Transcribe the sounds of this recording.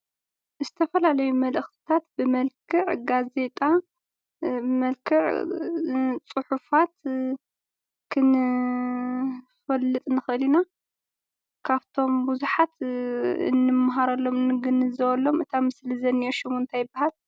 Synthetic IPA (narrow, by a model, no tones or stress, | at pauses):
zɨt̪ʰɐfɐlalɐjumɐlɨxt̪ʰi̥t̪ʰat̪bɨmɐlkʰɨʕɡaze̞t̪ʼa | ɨmɐlkʰɨʕ | t͡sʼɨħufat̪ | kʰɨnɨ | fɐlːɨt̪ʼnɨxɨʔɨlina | kʰaβt̪ʰo̞mbuzuħat̪ɨ̰nːɨmːaɦaɾɐlːo̞mnɨɡɨnːɨzɐwɐlːo̞mɨt̪ʰamɨslizɐnioʃɪmunt̪ʰajɨbːahal